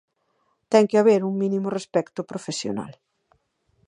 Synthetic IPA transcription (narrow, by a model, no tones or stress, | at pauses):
t̪ɛŋkɪaβeɾuŋmĩnimʊrespɛkt̪ʊpɾofesjo̰na̰l